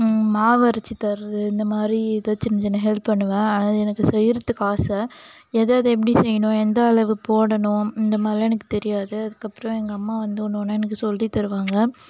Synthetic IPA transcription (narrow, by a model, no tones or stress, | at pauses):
maːʋɐɾɐt͡ʃːit̪ɐɾðɯɪnd̪ɐmaːd̪ɾid̪ɐt͡ʃːɪnːɐd͡ʒɛnːɐɦɛlppɐɳːɯʋãːaːnaːðɯɛnɐkːɯsɛjɪɾɐt̪ːɯkːaːsɐ | eːðaːɐðɐɛp̬ːɐɽisɛjːɐnʊ̃ɛnd̪ɐːɭɐʋɯpoːɽɐnʊ̃ɪnd̪ɐmaːd̪ɾiɛnɐkːɯ̥t̪ɛɾɪjaːðɯɐðɯkːɐpːɯɾɔ̃ɛŋɡɐːmːaːʋɐnd̪ɯʊɳːoːnːaːɛnɐkːɯsɔlːit̪ɐɾɯʋaːŋɡɐ